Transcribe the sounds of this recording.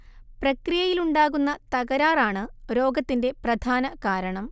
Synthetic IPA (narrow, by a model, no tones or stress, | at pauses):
prɐkrijɐjiluɳɖaːɣunːɐt̪ɐɣɐɾaːraːɳɨɾo̞ːɡɐt̪ːinde̞prɐd̪ʱaːnɐkaːɾɐɳɐm